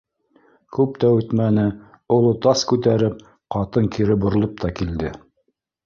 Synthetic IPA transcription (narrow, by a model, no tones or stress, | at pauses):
kʉp̚t̪æʉt̪mænɘ | ŏlˠot̪ɑskʉt̪æɾɘp̚ | qɑt̪ɤŋkʰiɾɘbŏɾ̆lˠop̚t̪ɑkild̪ɘ